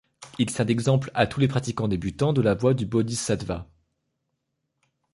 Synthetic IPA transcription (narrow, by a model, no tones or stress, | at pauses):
ilsɛʁd̪ɛɡzɑ̃pla̰t̪ulepχat̪ikɑ̃d̪ebyt̪ɑ̃d̪əlavwad̪ybɔd̪isad̪va̰